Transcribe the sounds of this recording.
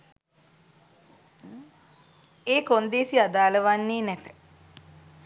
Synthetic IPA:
eːkond̪eːsiad̪aːləʋanːeːnɛt̪ə̥

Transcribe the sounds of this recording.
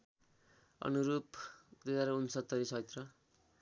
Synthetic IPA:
ʌ̰nuɾupd̪izaɾunsʌt̪ːʌɾisʌjt̪rʌ

